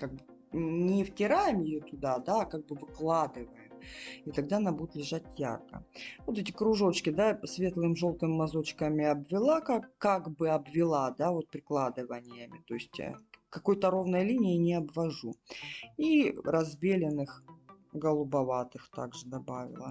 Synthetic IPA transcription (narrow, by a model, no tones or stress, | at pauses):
kaɡ̚bɨ | nʲɪftʲɪɾajɪmjɪjot̪ʊd̪ad̪aːkaɡ̚bɨvɨklˠad̪ɨvəjɪmit̪ɐɡ̚d̪anabud̪ʲɪt̪lʲɪʐatʲja̰rkə̰vo̞t̪ɛt̬ʲɪkɾʊʐo̞t͡ɕkʲɪd̪asvʲe̞t̪lˠɨmʐo̞lˠt̪ɨmʲmːɐzo̞t͡ɕkəmʲɪɐbvʲɪlˠakakːaɡbɨɐbvʲɪlˠad̪avo̞t̪̚pɾʲɪklˠad̪ɨvənʲɪjəmʲɪt̪o̞ɪsʲtʲa̰kɐko̞jt̪əɾo̞vnəjəlʲinʲɪjɪnʲɪɐbvɐʐu | iɾɐzbʲelʲɪnɨxɡəlˠʊbɐvat̪ɨxt̪a̰ɡʐɨd̪ɐbavʲɪ̰lˠə̰